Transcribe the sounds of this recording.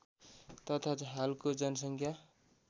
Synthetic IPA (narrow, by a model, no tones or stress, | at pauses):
t̪ʌt̪ʰad͡zɦalkod͡zʌnʌs̬ʌŋkʰja